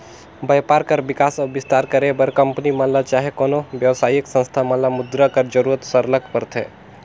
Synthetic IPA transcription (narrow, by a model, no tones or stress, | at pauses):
bəjpaɾkəɾbikasəbist̪aɾkəɾebəɾkəmpnimənlat͡ʃaɦekonobjəʋsajiksə̃nst̪ʰamə̃nlamud̪ɾəkəɾd͡ʒəɾuɾət̪səɾləkpəɾt̪ʰɛ